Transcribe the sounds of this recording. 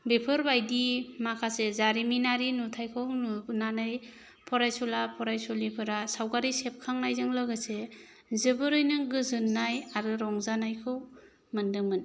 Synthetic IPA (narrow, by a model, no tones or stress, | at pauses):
bepʰɯɾbajdimakʰasezaɾiminaɾinutʰajkʰɯwnunanɯj | pʰɔɾajsulapʰɔɾajsulipʰɯɾasawɡaɾisep̚kʰaŋnajzɯŋlɯɡase | zɯbɯɾɯjnɯɡɯzɯnːajaɾɯɾɔŋzanajkʰɯw | mɯndɯmɯn